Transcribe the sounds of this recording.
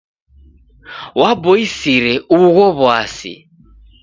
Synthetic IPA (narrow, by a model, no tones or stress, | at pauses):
waboisiɾɛuɣɔβwasḭ